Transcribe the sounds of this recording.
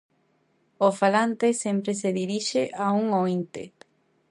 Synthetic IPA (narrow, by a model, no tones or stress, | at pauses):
ofalant̪esempɾeseðiɾiʃeʔauŋoint̪ḛ